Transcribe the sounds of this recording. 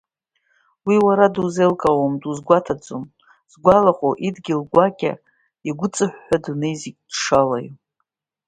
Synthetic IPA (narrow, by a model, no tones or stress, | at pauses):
wiwaɾaduzelkʼawamduzɡʷatʰad͡zʼom | z̥ɡʷalaχʼoʔidɡʲɪlɡʷakʲʼa̰ | iɡʷʊt͡sʼɨħᶣːadnejziɡʲd̥ʂala̰j